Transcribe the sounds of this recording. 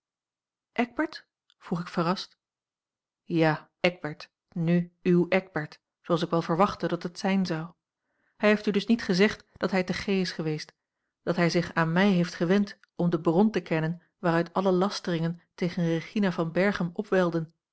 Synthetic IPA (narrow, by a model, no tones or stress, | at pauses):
ʔɛɡ̚bɛɹt | v̥uχɪkfərɑst | jaː | ɛɡ̚bɛɹt | nyywɛɡ̚bɛɹt | soɑlˠs̬ɪkʋɛlˠvəɹʋɑχtədɑtɦətsɛjnzɑw | ɦɛjɦejftydɵsnitχəzɛχtd̥ɑtɦɛjtəχejɪsχəʋejst | d̥ɑtɦɛjzɪχaːnmɛjɦejftχəʋɛnt | ɔmdəbrɔntəkɛnən | ʋaːʁœɥtɑləlɑstərɪŋəntejχənreχinavɑnbɛɹχəmɔpʋɛlˠdən